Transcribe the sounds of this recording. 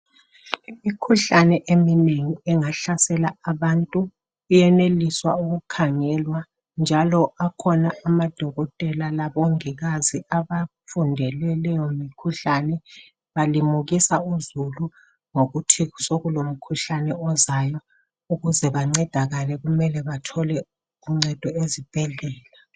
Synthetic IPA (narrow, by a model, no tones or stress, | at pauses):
imikʰuɬanɛʔemineŋiɛŋaɬasɛlaːβantʼuː | jɛneliswauɣukʰaŋɛlwa | nd͡ʒʱalɔakʰɔnaːmad̥ʱɔɣɔtʼɛlalaβoŋiɣaziaβafundʱɛlɛlɛjomikʰuɬanɛ | βalimuɣisauzulu | ŋoɣutʰiɣusoɣulom̩kʰuɬanɛɔzajɔ | uɣuzɛβaŋ͡ǀɛd̥ʱaɣalɛɣumɛlɛβatʰɔlɛ | uŋ͡ǀɛd̥ʱɔezib̥ʱɛɮɛːla